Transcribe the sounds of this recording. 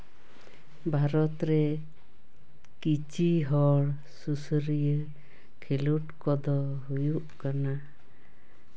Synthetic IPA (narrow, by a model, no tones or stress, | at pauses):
bʱaɾɔt̪ɾɛ | kit͡ʃiɦɔɽ | susɾijə | kʰeluʈkɔd̪ɔ | ɦujuʔkana